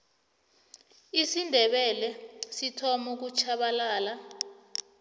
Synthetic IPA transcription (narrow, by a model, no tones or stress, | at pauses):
isindʱɛɓɛlɛsitʰɔmuk̬ut͡ʃʰaɓalaːla